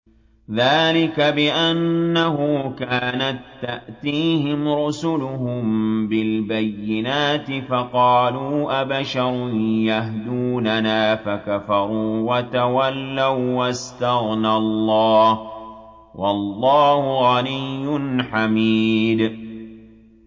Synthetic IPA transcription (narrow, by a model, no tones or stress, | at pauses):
ðaːlɪkabɪʔanːaɦʊkaːnat̪ːaʔt̪iːhɪmɾʊsʊlʊhʊmbɪlbajːɪnaːt̪ɪfɑqɑːluːʔabaʃɑɾˤjahd̪uːnanaːfakafɑɾˤuːwat̪awalːawwast̪aɣnalːɑːh | wʔɑlːɑːhʊɣɑlɪjːʊnħamiːd̪